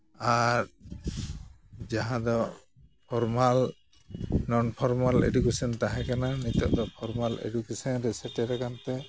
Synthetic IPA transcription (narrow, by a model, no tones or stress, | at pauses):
aɾ | d͡ʒaɦãd̪ɔ | pʰɔɾmal | nɔnpʰɔɾmalɛ̰dukɛsɔnt̪aɦɛkananit̪ɔ̰ʔd̪ɔpʰɔɾmalḛdukesɔnɾɛsɛʈɛɾakant̪ɛ